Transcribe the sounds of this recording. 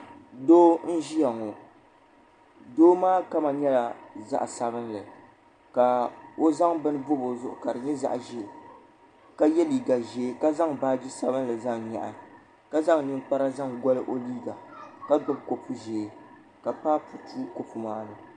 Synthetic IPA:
doː˦n̩˦ʒi˦ja˨ŋɔ˨ | doː˦maː˦ka˦ma˨ɲɛ˦la˨za̰˦ʔsa˨bɨ˦n˦lɨ˨ | ka˨o˦za˦ŋbɨ˦nɨ˦bʊ˦bo˨zʊ˦ʔʊ̰˨ka˨ɾɨ˨ɲɛ˦za̰˦ʔʒe˦˨ | ka˦jɛ˦liː˨ɡa˨ʒeː˨˦ka˦za˦ŋbaː˦d͡ʒi˦sa˦bɨ˦n˦lɨ˨za˦ŋɲa̰˨ʔa˨ | ka˦za˦ŋnɨ˦ŋ˦k͡pa˦ɾa˦za˦ŋɡɔ˦lɨ˦ʔo˦liː˦ɡa˨ka˦bɨ˦˨bko˨pu˦ʒe˨ | ka˨paː˦pu˨tu˦ko˨pu˨maː˦lɨ˨

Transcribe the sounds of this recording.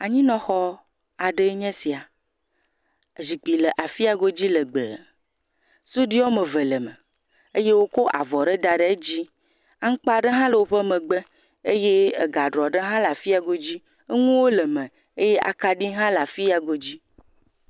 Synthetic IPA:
a˨ɲĩ˦nɔ̃˦xɔ˦ | a˨ɖe˦e˦ɲɛ̃˦si˨a˨ | zi˨k͡pi˨lə˨ʔa˨fi˦a˨ɡo˦d͡ʑi˦lə˨ɡ͡bə̰˨ | so˦ɖi˦ɔ˦mə̃˨və˨lə˨mə̰̃˨ | e˦je˦wo˦ko˦ʔa̰˨vɔ˨ɖe˦d̪a˨ɖe˦e˦d͡ʑi˦ | a˦ŋ̩˦k͡pa˦˨ɖə˦ɦã˦lə˨wo˦ɸe˦mə̃˨ɡ͡be˦ | e˦je˦e˨ɡa˨ɖɾɔ˨ɖe˦ɦã˦la˨fi˦a˨ɡo˦d͡ʑi˦ | e˦ŋũ˦wo˦lə˨mɛ̃˨ | e˦je˦ʔa̰˨ka˦ɖi˦ɦã˦la˨fi˦a˨ɡo˦d͡ʑi˦

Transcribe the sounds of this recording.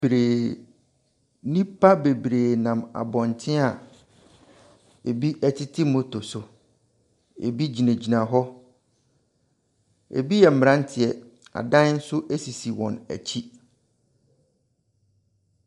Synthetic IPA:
bɾeː˨ | nĩ˦pʰa˦be˨bɾeː˨nã˨ma̰˨bɔ̃˨n˨tʰɪ̃˦a˨ | e˨bi˦ʔæ˦tʰi˦tʰi˦mo˨to˨sʊ˨ | ḛ˨bi˦d͡ʑi˨næ̃˨d͡ʑi˨nã˨ɦɔ˦ | ḛ˨bi˦jɛ˨m̩˦˨m˨ã˦n˦tʰɪ˨ɛ˨a̰˨dã˦n˦n̩˦sʊ˦ʔe˦si˨si˨wɔ̰̃˨næ̰˨t͡ɕʰi˦

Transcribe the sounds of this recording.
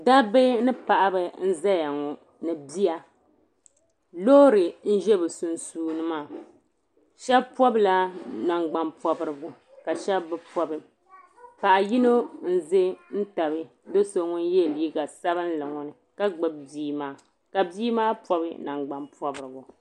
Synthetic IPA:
da˦be˦nɨ˦pa˨ʔa˨bɨ˨n̩˦za˦ja˨ŋɔ˨ | nɨ˨bi˦a˨ | lo˦ɾɨ˨n̩˦ʒɛ˦bɨ˨su˨nsuː˦nɨ˦maː˦˨ | ʃɛ˦bpɔ˦bla˦na˨ŋɡ͡ba˦mpɔ˦bɨ˦ɾɨ˦bʊ˦ | ka˨ʃɛ˦bːɨ˦pɔ˦bɨ˨ | pa˨ʔa˨ji˦no˦n̩˦ze˦n̩˦ta˨βɨ˦ | do˦so˨ŋu˦n˦je˦˨liː˦ɡa˨sa˦βɨ˦n̩˦lɨ˨ŋɔ˦nɨ˨ | ka˦ɡ͡bɨ˨b̚biː˦maː˦ | ka˨biː˦maː˦pɔ˦bɨ˦na˨ŋɡ͡ba˨npɔ˦bɨ˨ɾɨ˨bu˨

